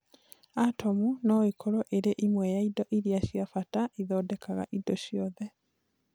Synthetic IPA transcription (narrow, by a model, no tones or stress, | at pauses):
atʰɔmunɔikʰɔɾɔʔeɾeʔimwɛjaidɔʔiɾiaɕjafataiðɔːdɛkaɣa̰ʔidɔɕjɔðɛ